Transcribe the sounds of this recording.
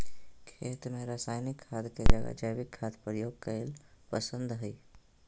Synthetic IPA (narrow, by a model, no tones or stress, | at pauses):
kʰeːt̪mẽɾaːsaːjnɪkʰːaːd̪ked͡ʒəɡa̰d͡ʒəjʋɪkʰːaːd̪pɾəjoːɡ̚kəelpəsə̃nd̪ɦəj